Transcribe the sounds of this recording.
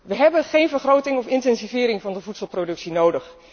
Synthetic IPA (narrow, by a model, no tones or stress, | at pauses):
ʋəɦɛbənχejnvəɹχrowtɪŋɔfɪntɛnsivɪːɾɪŋvɑndəvutsəlˠprodɵksinowdəχ